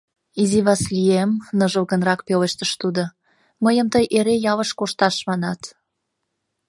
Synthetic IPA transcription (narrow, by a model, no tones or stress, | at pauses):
iziβɑsliemnəʒəlˠɣənrɑkpøleʃt̪əʃt̪ud̪o | məjəmt̪əjʔeɾejɑβəʃkoʃt̪ɑʃmɑnɑt̪